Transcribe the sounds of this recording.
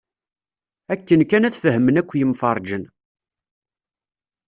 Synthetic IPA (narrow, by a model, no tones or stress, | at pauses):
ækːənkːænæθfəɦəmənækʷːjəmfɑɾˤd͡ʒən